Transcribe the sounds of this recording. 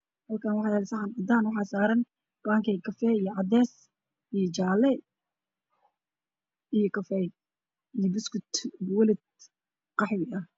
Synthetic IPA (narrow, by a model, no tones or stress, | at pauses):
hɐlkʰaːnwɑħɑj̪ɛlsɐħɑnɐd̪aːnwɑħɑːsaːɾɐn | b̥aːŋkʰɛkʰɐfɛːijɔʕɑd̪ɛːs | ijɔt͡ʃaːlɛ | ijɔkʰɐfɛj | ijɔbɪskʰʊt̪wɐlɪd̪̚ | qɑħwɪʔɐ